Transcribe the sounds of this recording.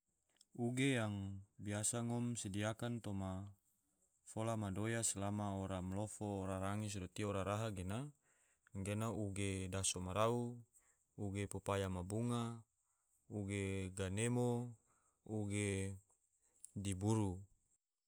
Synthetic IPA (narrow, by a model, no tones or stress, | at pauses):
uɡejaŋbiasaŋɔmsidiakant̪oma | folamadojaslamaoɾamlofoɾaɾaŋis̬dot̪ioɾaɾaɦaɡena | ɡenauɡedasomaɾau | uɡepopajamabuŋa | uɡeɡanemo | uɡe | dibuɾu